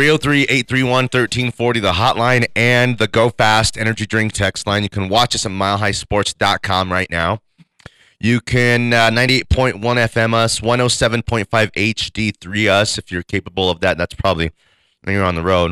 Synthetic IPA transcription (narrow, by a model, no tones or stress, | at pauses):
ɹioʊθɹiʔeɪt̪̚θɹiwʌ̃nθɜ˞tʰĩnfɔɹɾiðəɦɑʔˡlãɪ̃nɨ̃nðɨɡoʊfæstɛnə˞d͡ʒidɹɪ̃ŋk̚tʰɛkstˡlãɪ̃njɨkʰɨ̃n̩wɑt͡ʃʌsəmaɪlˠɦaɪspɔɹtsd̥ɑt̚kʰɑ̃mɹaɪʔⁿnaʊ | jɨkʰɨ̃nnãɪ̃ntieɪt̚pʰɔ̃ɪ̃nʔwʌ̃ñɛfɛ̃mʌswʌ̃noʊsɛvɨ̃npʰɔ̃ɪ̃ntfaɪveɪt͡ʃd̥iθɹiʌsɨfjə˞kʰeɪpəbl̩ˠʌvðɨt̪̚ðætspʰɹ̥ɑbəbli | ʔɨ̰̃njə˞ə̃nðəɹoʊd